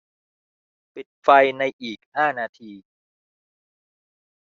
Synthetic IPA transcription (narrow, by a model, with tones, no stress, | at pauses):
pi˨˩t̪̚fa˧jna˧jʔiː˨˩k̚haː˥˩naː˧t̪ʰiː˧